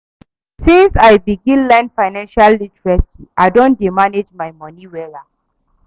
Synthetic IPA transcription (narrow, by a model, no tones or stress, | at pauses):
sɪnsajbiɡɪ̃nlɛ̃ndfajnãnʃalːitɹɛsiʔajdɔ̃ndimanɛd͡ʒmajmɔniwɛla